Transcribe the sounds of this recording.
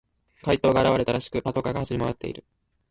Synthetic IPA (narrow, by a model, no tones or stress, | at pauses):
kait̪o̞ːɡaːɾaβaɾe̞t̪aɾaɕi̥kɯ̟pat̪o̞kaɡahaɕiɾʲimoat̪ːe̞̰ḭɾɯ̟